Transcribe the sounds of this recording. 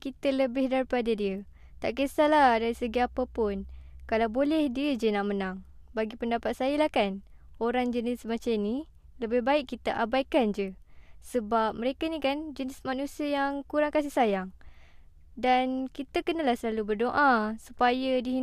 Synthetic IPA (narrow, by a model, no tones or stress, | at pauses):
kit̪ələbɪhdaɾipadadiə | t̪a̰ʔkəsalahdaɾisəɡiapəpʊnkalawbolɛhdiəd͡ʒənaʔmənaŋbaɡipəndapat̪̚sajəlahkan | oɾaŋd͡ʒənɪsmat͡ʃani | ləbɪhbaɪkːit̪aʔabaikand͡ʒəsəbap̚məɾekanikand͡ʒənɪsmanusiəjaŋkuɾaŋkas̬ihsajaŋ | dankit̪əkənalahsəlalubərdoʔasupajədiɦi